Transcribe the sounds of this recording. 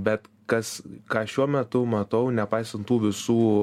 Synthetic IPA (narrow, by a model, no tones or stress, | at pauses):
bʲɛt̪ | kɐskɑːʃʲuɔmʲɛt̪ʊmɐt̪ɐʊnʲɛpɐɪsɐnt̪t̪uːʋʲɪsuː